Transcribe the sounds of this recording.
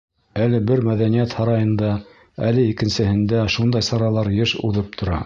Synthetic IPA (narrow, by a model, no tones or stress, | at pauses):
ælɘbɘɾmæðænijæt̪hɑɾɑjɤ̆nd̪ɑ | ælɘikɘ̆nsɘ̆hɘ̆nd̪æʃund̪ɑjsɑɾɑlˠɑɾjɘʃuðɤp̚t̪ʰŏɾɑ